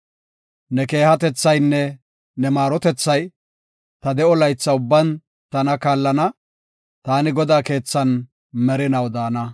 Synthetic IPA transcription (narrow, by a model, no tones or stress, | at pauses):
nɛke̞ːhɐt̪ɛt͡sːɐjnːɛ | nɛmaːɾɔt̪ɛt͡sːɐj | t̪ɐd̪ɛɔlɐjt͡sːɐʊbːɐn | t̪ɐnɐkaːlːɐnɐ | t̪aːnɪɡɔd̪aːke̞ːt͡sːɐn | mɛɾɪnɐwd̪aːnɐ